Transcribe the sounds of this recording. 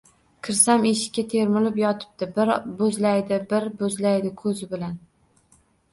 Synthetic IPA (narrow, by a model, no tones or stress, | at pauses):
kʰɪɾsameʃɪ̥kʲːat̪ʰeɾmʊlɪpjɒt̪ʰɪ̥p̚t̪ɪbɪɾbɵzlajd̪ɪbɪɾbɵzlajd̪ɪkʰɵzɪbɪlan